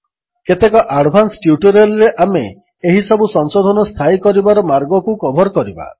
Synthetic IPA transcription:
ket̪ekɔʔaɽʱbʱansʈjuʈuɾelɔɾeʔamḛː | ɦisɔbusɔŋsod̪ʱɔnɔst̪ʰajkɔɾibaɾɔmaɾɡɔkukɔbʱɔɾkɔɾiba̰

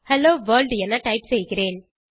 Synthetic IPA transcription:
hɛloːʋɐːlɖɛnːɐʈɐɪpsɛjɣɪɾeːn

